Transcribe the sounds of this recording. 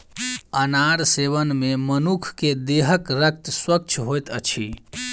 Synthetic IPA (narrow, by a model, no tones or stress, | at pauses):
ənaɾseβənmemənukʰked̪eɦəkɾək̚t̪swək̚t͡ʃʰɦojt̪ət͡ʃʰi